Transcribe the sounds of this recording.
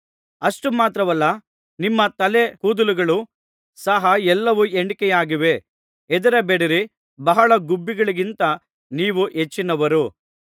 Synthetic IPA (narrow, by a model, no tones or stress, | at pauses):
ɐʂʈumaːt̪ɾɐʋɐlːɐ | nimːɐt̪ɐlehuːd̪uluɡɐɭu | sɐɦɐɛlːɐʋueɳɖikɛjaːɡiʋe̞ | ɛd̪ɐɾebeɽiɾi | bɐɦɐɭɐɡubːiɡɐɭiɡint̪ɐ | niːʋuʔet͡ʃːinɐʋɐɾu